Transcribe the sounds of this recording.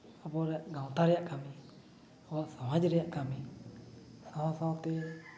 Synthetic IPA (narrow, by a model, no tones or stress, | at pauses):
abɔɾɛɡãw̃t̪aɾijaʔkʰami | ɔbasãwãd͡ʒɾɛjaʔkami | sãwãsãt̪e